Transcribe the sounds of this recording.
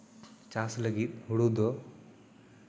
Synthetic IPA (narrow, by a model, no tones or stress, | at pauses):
t͡ʃasləɡit̪̚ˀɦuɽud̪ɔ